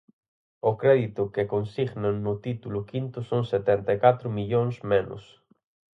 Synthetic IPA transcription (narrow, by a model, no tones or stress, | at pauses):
ʊkɾɛðit̪ʊkekonsiɣnaŋnʊt̪it̪ulʊkint̪ʊsoŋset̪ɛnt̪ajkat̪ɾʊmiʎoŋsmenʊ̰s